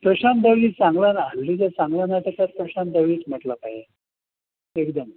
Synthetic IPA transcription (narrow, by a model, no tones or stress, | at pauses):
pəɕand̪əʋliːt͡sãŋɡlanɦalːid͡ʑat͡sãŋɡlanat̪akaɾpɾəɕãnd̪əʋliːt͡sm̤əʈlapaje | ekd̪əm